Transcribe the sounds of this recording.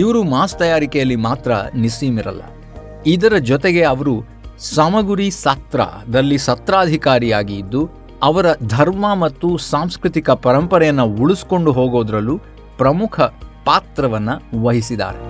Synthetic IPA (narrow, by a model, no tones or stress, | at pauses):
iʋɐɾumaːst̪ɐjaːɾikɛjɐlːimaːt̪ɾɐnisiːmiɾɐ̰lːɐ̰ | id̪ɐɾɐd͡ʒɔt̪eɡe̞ɐʋɐɾu | sɐmɐɡuɾisɐt̪ɾa̰d̪ɐlːisɐt̪ɾaːd̪ʱikaːɾijaːɡiːd̪ːu | ɐʋɐɾɐd̪ʱɐɾmɐmɐt̪ːusaːmskɾit̪ikɐpɐɾɐmpɐɾɛjɐnːɐuɭusko̞ɳɖuɦoːɡoːd̪ɾɐlːu | pɾɐmukʰɐpaːt̪ɾɐʋɐnːɐʋɐɦisid̪a̰ːɾḛ